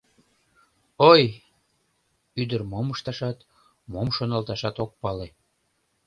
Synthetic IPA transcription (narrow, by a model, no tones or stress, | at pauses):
oj | yd̪ərmoməʃt̪ɑʃɑt̪ | momʃonɑlt̪ɑʃɑt̪ok̚pɑle